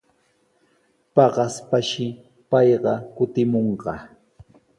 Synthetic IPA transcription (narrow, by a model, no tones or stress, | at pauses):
pɑɢɑspaʃɪ | pɑjɢɑkʊt̪ɪmoɴɢɑ